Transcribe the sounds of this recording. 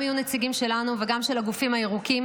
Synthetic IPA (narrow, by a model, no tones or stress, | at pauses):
ajunet͡siɡimʃe̞lanuveɡamʃe̞laɡufimhaeʁukim